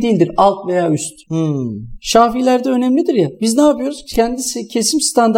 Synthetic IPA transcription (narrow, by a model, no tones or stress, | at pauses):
d̪iilʲd̪iɾalˠt̪ve̞jaːyst̪h | ʃaːfilʲæɾd̪ɛø̞nɛmlʲid̪iɾjabiznaːpɯjo̞ɾuzcʰænd̪isicʰe̞simst̪ʰand̪